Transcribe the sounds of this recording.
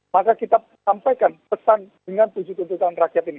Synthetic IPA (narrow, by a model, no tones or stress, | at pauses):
makakit̪a | sampajkanpəsandəŋanpud͡ʒut̪unt̪uk̪anrakjat̪ini